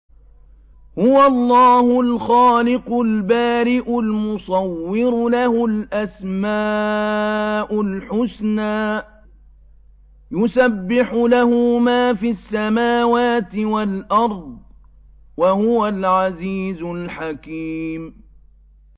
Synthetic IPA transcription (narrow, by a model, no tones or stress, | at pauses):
hʊwalˤːɑːhʊlxaːlɪqʊlbaːɾɪʔʊlmʊsˤɑwːɪɾʊlahʊlʔasmaː | ʔʊlħʊsnaː | jʊsabːɪħʊlahʊmaːfisːamaːwaːt̪ɪwalʔɑɾˤd̪̚ˤ | wahʊwalʕaziːzʊlħakiːm